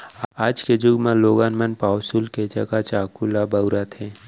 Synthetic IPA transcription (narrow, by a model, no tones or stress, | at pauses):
aːd͡ʒked͡ʒʊɡmãloːɡaːnmənpaːwsulket͡ʃakat͡ʃaːkulabəʊɾat̪ʰe